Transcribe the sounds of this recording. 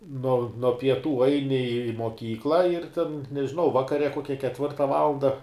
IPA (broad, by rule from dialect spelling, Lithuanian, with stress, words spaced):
noː noː pʲiɛˈtuː ˈɐɪnʲɪ ɪ moːˈkʲiːklˠɐ ɪr tʲɛn nʲɛʒʲɪˈnɐʊ ˈʋɑːkɐrʲɛ ˈkoːkʲɛ kʲɛtʲˈʋʲɪrtɐ ˈʋɑːlˠɐndɐ